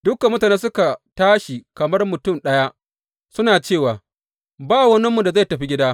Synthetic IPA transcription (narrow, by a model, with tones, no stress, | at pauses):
d̥ʊ˦kːa˨mʊ˦taː˨ne˦sʊ˦ka˨taː˦ʃi˨kɐ˨mɐ˦rmʊ˨tʊ˦mɗɐ˦ja˦ | sʊ˦naː˨t͡ʃeː˦˨waː˨ | baː˦˨wɐ˦nɪ˦mːu˨da˨za˦˨jtɐ˨ɸi˦ɡʲɪ˦daː˦